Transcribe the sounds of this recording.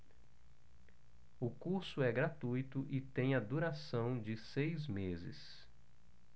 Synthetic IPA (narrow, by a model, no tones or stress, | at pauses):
ʊkuɾsʊɛɡɾat̪ujt̪ʊʔɪt̪ẽj̃ɐd̪uɾasɐ̃w̃d͡ʒɪsejzmezɪ̰s